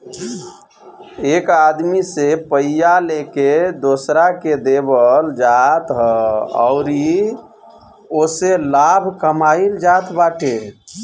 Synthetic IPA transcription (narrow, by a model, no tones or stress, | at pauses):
ekad̪misepəijaleked̪osɾaked̪ebəld͡ʒat̪ɦəɔ̰ʊɾi | oselabʱkəmaild͡ʒat̪baʈʰe